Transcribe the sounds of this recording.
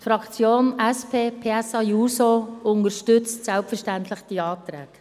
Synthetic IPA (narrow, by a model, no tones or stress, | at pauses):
tfɾɑkt͡sjoːnɛspʰeːpʰeɛsɑjuːsoʊnəɾʃtʏt͡stsɛlpfəɾʃtæntlɪχd̥iɑːt̪ɾɛ̰ːk